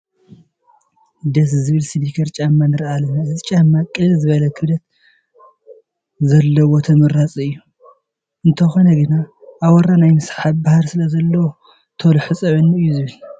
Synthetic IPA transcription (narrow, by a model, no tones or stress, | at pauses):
d̪ɐs̬zɨβɨlsid̪ikʰɐɾt͡ʃʼamːanɨɾʔalɐnaɨzɨt͡ʃʼamːakʼɨlɨlzɨβɐlɐkʰɨβlɐt̪ | zɐlːɐwo̞t̪ʰɐmɨɾat͡sʼɨjːu | ʔɨnt̪ʰɐxo̞nɐɡɨna | ʔːwɐɾanajmɨsħab̚bahaɾsɨlɐzɐlːɐwo | t̪ʰɐwlħɨt͡sʼɐʕɨnːiɨjːuzɨβɨl